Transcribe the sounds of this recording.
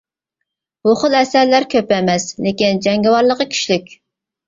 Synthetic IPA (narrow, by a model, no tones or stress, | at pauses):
buχəlˠɛsæɾlæɾkʲʰøpɛmɛslekʲind͡ʒɛŋɡʲɪwɑɾlˠəqəkʲʰy̥ʃlykʲ